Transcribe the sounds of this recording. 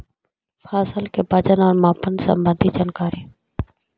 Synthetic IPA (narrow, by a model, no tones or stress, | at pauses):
fʰaːsəlkebəd͡ʒənɔːɾmaːpənsə̰̃mbə̃nd̪ʱid͡ʒaːnkaːɾiː